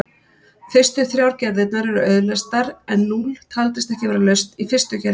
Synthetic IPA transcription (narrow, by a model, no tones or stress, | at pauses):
fɪrst̪ʏθɾjaːwɾcɛɾðɪt̪̚naɾɛɾʏœːɥðlɛst̪aɾɛnːult̪ʰalt̪ɪst̪ɛhcɪvɛːɾalœɥst̪ifɪrst̪ʏcɛɾ